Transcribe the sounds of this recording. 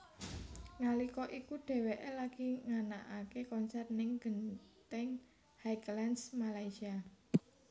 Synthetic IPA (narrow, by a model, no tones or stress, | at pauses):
ŋalikɔʔikuɖ̥e̤weʔelaɡ̥i̤ŋanaʔakekɔnsɛrnɪŋɡ̥ənt̪ɛŋ | hajklansmalaisia